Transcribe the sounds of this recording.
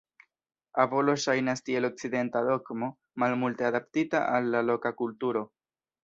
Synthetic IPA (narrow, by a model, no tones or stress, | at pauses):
avo̞lo̞ʃajnastie̞lo̞k̚t͡side̞ntado̞kmo̞ | malmulteadaptitaʔalːalo̞kakultuɾo̞